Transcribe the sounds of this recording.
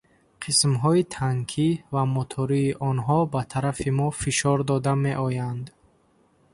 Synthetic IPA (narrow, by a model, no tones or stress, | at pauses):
qʰismɦɔit̪ʰaŋkʰivamɔt̪ʰɔɾiːʔɔnɦɔbat̪ʰaɾafimɔfiʃɔɾd̪ɔd̪ame̞ʔɔjand̪